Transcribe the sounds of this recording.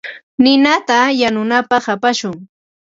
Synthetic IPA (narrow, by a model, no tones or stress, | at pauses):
nɪnat̪ajanʊnapɑχapaʃʊŋ